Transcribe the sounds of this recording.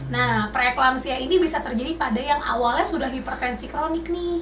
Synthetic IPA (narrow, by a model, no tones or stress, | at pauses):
nahpɾeklamsiainibisat̪ərd͡ʒadipadajaŋʔa̰walɲasudahdipɾt̪ɛnsikɾonɪknɪ